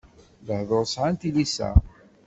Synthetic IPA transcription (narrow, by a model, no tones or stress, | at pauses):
ləhðˤoɾˤsʕant̪ilisæ̰